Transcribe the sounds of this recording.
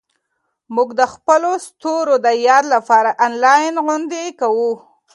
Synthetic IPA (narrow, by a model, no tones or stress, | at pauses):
muɡd̪əxpəlost̪oɾod̪əjɑɾlapɑɾaʔanlɑjnɣʊnd̪ekawu